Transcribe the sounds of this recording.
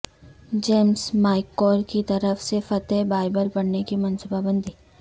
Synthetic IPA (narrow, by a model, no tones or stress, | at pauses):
d͡ʒeːmsmaːɪkːɔːɾkit̪ɐɾəfsefɐt̪ɛbaːɪbəlbɐɽnekimɐ̃nsubabə̃nd̪ʱiː